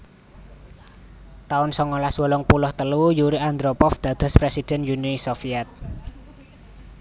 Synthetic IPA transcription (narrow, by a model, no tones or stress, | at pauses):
t̪aʊnsɔŋɔlaswɔlɔŋpulʊht̪əlujuɾiand̪ɾopɔfd̪̥ä̤d̪̥ɔ̤spɾesid̥ɛ̤njunisofiɛt̪̚